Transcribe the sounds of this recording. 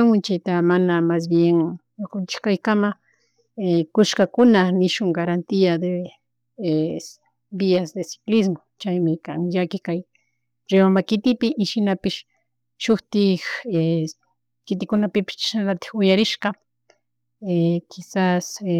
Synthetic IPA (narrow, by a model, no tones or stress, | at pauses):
aŋʊnt͡ʃajt̪amanamas̬bjeŋ | ʊkʊnt͡ʃɪ̥kajkama | ekʊʃkakʊnanɪʃʊŋɡaɾant̪iad̪e | e | biasd̪esɪ̥klɪsmot͡ʃajmɪkaŋjakɪkaj | ɾewamakɪt̪ɪpɪʔɪʃɪnapɪʃ | ʃʊxt̪ɪxe | kɪt̪ɪkʊnapɪpɪ̥ʃt͡ʃḁʃnalat̪ɪ̥xʊjaɾɪʃkɑ | ekʰɪsas